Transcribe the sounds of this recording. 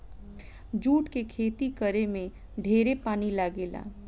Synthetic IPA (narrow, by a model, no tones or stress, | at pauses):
d͡ʒuːʈkekʰeːt̪ikəɾemẽ | ɖʱeːɾepaːnilaːɡeːla̰ː